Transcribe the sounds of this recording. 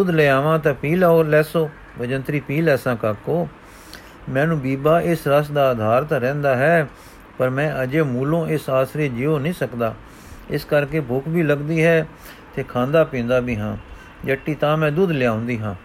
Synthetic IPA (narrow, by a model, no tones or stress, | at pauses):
d̪ʊd̪leaːʋãːt̪ãːpiːlaːoːlɛːsoː | bəd͡ʒənt̪ɾiːpiːlɛːsãːkaːkoː | mɛ̃ːnũːbiːbaːʔɪsɾəsd̪aːəd̪ʱaːɾt̪ɾɛ̃ːnd̪aːɦɛː | pəɾmɛ̃ːʔəd͡ʒeːmuːlõːɪsaːsɾeːd͡ʒɪoːnĩːsəkd̪a̰ː | ɪskəɾkeːbʱʊkʰbiːləɡd̪iːɦɛː | t̪eːkʰãːnd̪aːpĩːnd̪aːbiːɦã̰ː | d͡ʒəʈːiːt̪ãːmɛ̃ːd̪ud̪lɪjãːʊnd̪iːɦãː